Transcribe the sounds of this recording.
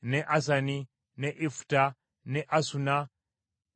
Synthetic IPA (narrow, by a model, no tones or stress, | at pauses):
nɛʔas̬ani | nɛʔifu̥ta | nɛʔasuna